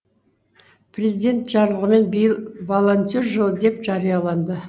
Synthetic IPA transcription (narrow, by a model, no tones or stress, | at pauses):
pʰrʲezid̪ʲe̞nt̪ʒɑɾlˠəʁəme̞nbijəlˠvo̞lˠont̪ʲorʒəlˠəd̪e̞pʒɑɾijɑlˠɑnd̪ə